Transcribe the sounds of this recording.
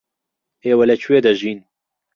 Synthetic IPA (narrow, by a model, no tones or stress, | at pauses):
eːwɐlɛt͡ʃʰuweːd̪ɐʒiːn